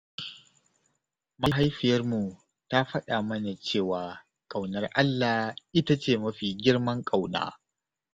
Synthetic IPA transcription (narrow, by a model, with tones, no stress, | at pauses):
ma˦ɦa˦jɸɪ˨jɐ˦rmu˨ | ta˦ɸɐ˦ɗaː˨mɐ˦na˨t͡ʃeː˦˨waː˨ | kʼa˨wnɐ˨rʔa˦lːaː˨hʔɪ˦ta˦t͡ʃeː˦˨mɐ˦ɸiː˨ɡʲɪ˦rmɐ˦ŋkʼa˨wna̰ː˦